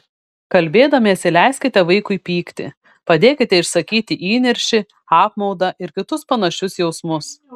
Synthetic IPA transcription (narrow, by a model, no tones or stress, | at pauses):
kɐlʲbʲeːd̪ɐmʲisʲɛlʲæˑɪsʲkʲɪt̪ʲɛʋɐɪkʊɪpʲiːkt̪ʲɪ̰ | pɐd̪ʲeːkʲɪt̪ʲɛɪʃsɐkʲiːt̪ʲɪʔiːnʲɪɾʲʃʲɪ | ɑːpmɒʊd̪ɐʔɪɾkʲɪt̪ʊspɐnɐʃʲʊsjɛʊsmʊs